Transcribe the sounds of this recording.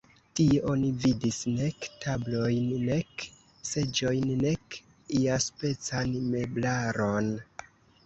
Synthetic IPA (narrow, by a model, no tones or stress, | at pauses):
tieʔo̞nividisne̞ktablo̞jnːe̞k | se̞d͡ʒo̞jnːe̞k | iaspe̞t͡sanme̞blaɾo̞n